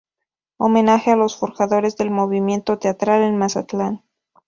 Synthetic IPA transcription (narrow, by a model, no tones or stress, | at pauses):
ome̞naxealo̞sfo̞ɾxaðo̞ɾe̞zðe̞lmo̞βimje̞nt̪o̞t̪e̞at̪ɾalenmasat̪lan